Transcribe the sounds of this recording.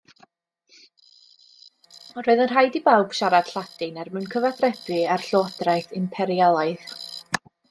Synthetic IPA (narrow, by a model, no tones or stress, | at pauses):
ɔɾoɨðənr̥ajdibawb̥ʃaɾad̥ɬad̥ɨnɛrmɨwnkʰəvaθrɛbɨarɬɔɔdrajθɪmpʰɛɾijalˠaɨð